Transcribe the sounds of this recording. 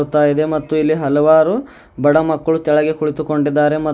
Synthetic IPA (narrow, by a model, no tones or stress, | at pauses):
ut̪ːaːjid̪e̞mɐt̪ːuilːiɦɐlɐʋaːɾu | bɐɽɐmɐkːɐɭut̪ɛɭɐɡekuɭit̪uko̞ɳɖid̪ːaːɾe̞mɐ